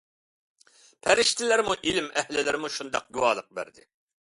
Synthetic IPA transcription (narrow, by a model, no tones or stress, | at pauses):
pʰɛɾɪʃt̪ʰɪlɪɾmuʔilɪmɛhlɪlɪɾɪmuʃund̪ɑ̰q̚ɡuwɑ̰ːlˠəq̚bæ̰ɾd̪ɪ̰